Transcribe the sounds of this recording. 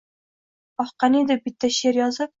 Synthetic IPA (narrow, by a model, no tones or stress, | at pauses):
ɒχqɑnid̪ɪbit̪ːæʃeɾjɒzɨp̚